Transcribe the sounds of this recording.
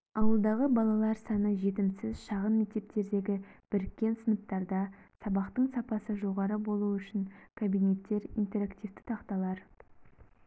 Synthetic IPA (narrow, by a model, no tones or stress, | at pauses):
ɑwəlˠd̪ɑʁəbɑlˠɑlˠɑɾsɑnəʒe̞t̪ɪmsɪzʃɑʁənme̞k̚t̪e̞p̚t̪e̞ɾd̪e̞ɡʲɪb̥ɪɾɪkʲːe̞nsənəp̚t̪ɑɾd̪ɑsɑbɑqt̪əɴsɑpɑsəʒo̞ʁɑɾəbo̞lˠuʏʃɪŋkʰabijne̞t̪ːe̞ɾint̪e̞ɾakt̪ift̪ɪ̥t̪ʰɑqt̪ɑlˠɑɾ